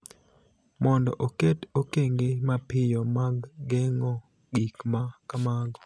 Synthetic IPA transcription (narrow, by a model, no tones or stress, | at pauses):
mɔndɔ̰ʔoketokeŋɡemapɪjɔmaɡːɛŋɔ | ɡikmakamaɡɔ